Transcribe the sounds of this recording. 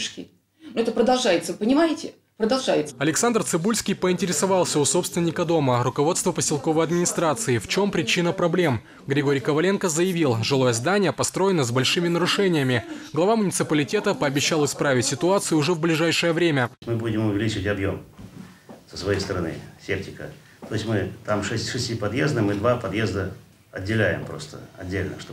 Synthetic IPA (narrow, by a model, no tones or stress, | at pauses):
ʂkʲɪ̰ | nʊɛt̪əpɾəd̪ɐlˠʐajɪt̪səpənʲɪmaɪtʲɪ | pɾəd̪ɐlˠʐajɪt̪sɐlʲɪksand̪rt̪sɨbulʲsʲkʲɪjpəɪnʲtʲɪɾʲɪsɐvɑlˠsʲəʊso̞pst̪vʲɪnʲːɪkəd̪o̞məɾʊkɐvo̞t̪st̪vəpəsʲɪlˠko̞vəjɐd̪mʲɪnʲɪst̪ɾat̪sɨɪft͡ɕo̞mpɾʲɪt͡ɕinəpɾɐblʲe̞m | ɡɾʲɪɡo̞ɾʲjkəvɐlʲe̞nkəzəjɪvʲilˠʐɨlˠo̞jəzd̪anʲɪjəpɐst̪ɾo̞jɪnəzbɐlʲʂɨmʲɪnəɾʊʂɛnʲɪjəmʲɪɡlˠɐvamʊnʲɪt̪sɨpəlʲɪtʲe̞t̪əpəːbʲɪɕːalˠɪspɾavʲɪtʲsʲɪt̪ʊat̪sɨjʊʊʐɛvblʲɪʐajʂɨjəvɾʲemʲəmɨbudʲɪmʊvʲɪlʲit͡ɕɪətʲɐbjo̞m | səsvɐjejst̪əɾɐnɨ̰sʲep̚tʲɪkə̰ | t̪ojɪsʲmɨt̪amʂɛsʲtʲʂɨsʲtʲipɐd̪jezd̪əmɨd̪vapɐd̪jezd̪ə | ɐdʲːɪlʲæjɪ̰mpɾo̰st̪ə̰ɐ̰dʲːelʲnə̰ʂt̪